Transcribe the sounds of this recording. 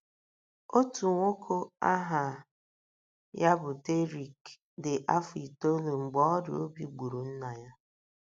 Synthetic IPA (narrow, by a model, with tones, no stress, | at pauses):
o˦tu˨ŋʷo˦kʰo˦a˦ɦa˨ | ja˦bʊ˨te˦ɾi˨k | dɪ˨ʔa˦fʊ˨i˨to˦lu˨ŋ͡m̩˨ɡ͡bɔ˦ɾḭ˨o˦bi˨ɡ͡bu˨ɾu˨n̩˦na˨ja˦